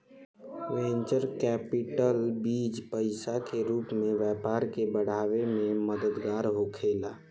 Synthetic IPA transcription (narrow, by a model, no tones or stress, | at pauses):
ʋẽːɲt͡ʃəɾkɛːpɪʈəlbiːd͡ʒpəɪsakeɾuːpmẽʋjɛːpaːɾkebəɽ̤aːʋemẽməd̪əd̪ɡaːɾɦokʰeːlaː